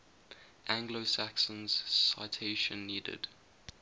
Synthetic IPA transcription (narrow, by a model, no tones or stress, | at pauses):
ʔæ̃ŋɡlosaksə̃nz̥sa̰ɪtʰeɪʃə̰̃nːiːdɪ̰d̥